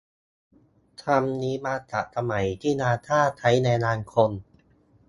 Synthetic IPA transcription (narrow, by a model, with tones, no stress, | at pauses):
t̪ʰa˧mniː˨˦˥maː˧t̪a̰˨˩ʔ̚sʰa˧ma˩˦jt̪ʰiː˥˩naː˧t̪ʰaː˥˩t̪ʰa˦˥jnɛː˧naː˧nkʰo˧n